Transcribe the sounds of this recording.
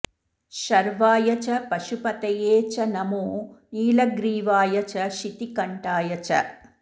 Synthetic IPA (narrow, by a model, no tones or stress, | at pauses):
ʃɐɾʋaːjɐt͡ʃɐpɐʃupɐt̪ɐjeːt͡ʃɐnɐmuːniːlɐɡɾiːʋaːjɐt͡ʃɐʃit̪ikɐɳʈaːjɐt͡ʃɐ̰